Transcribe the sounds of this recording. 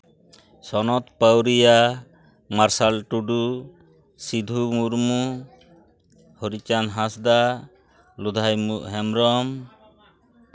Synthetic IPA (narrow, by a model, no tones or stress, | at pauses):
sɔnɔt̪pəwɾija | maɾsalʈuɖu | sid̪ʱumuɾmu | hɔɾit͡ʃanɦasd̪a | lud̪ʱajmuʔɦɛmɾɔm